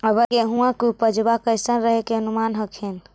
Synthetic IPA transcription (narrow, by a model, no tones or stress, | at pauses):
əbəkeɦũãkupəd͡ʒbakəjsənɾəɦekeənumanɦəkʰen